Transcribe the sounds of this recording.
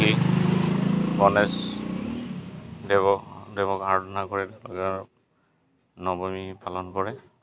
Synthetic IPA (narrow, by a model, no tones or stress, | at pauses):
i | bɔnɛs | dɛbɔdɛbɔkaɹdɔnakɔɹɛdlɔɡɛɹ | nɔbɔmipʰalɔnkɔɹɛ